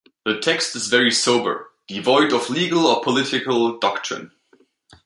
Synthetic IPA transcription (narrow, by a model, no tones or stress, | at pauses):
ðətʰɛkstɨzvɛɹisoʊbə̰˞ð̥ivɔɪdɔvliɡəlˠəpʰəlɪtɪkəlˠdɑktʰɹ̥ɪ̰̃n